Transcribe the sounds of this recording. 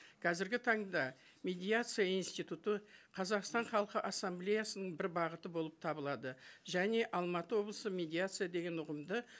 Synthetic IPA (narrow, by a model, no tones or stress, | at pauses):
kʲʰɑzɪɾɡʲɪt̪ʰɑɴd̪ɑ | mʲe̞d̪ʲijat̪sɨjainst̪ijt̪ut̪əqʰɑzɑqst̪ɑɴχɑlˠəqəʔɑsːamblʲejasənəɴbɪɾbɑʁət̪əbo̞lˠəp̚t̪ʰɑbəlˠɑd̪əʒæne̞ʔɑlˠmɑt̪əwo̞blˠəsəmʲe̞d̪ijat̪sɨjad̪e̞ɡʲe̞nʊʁəmd̪ə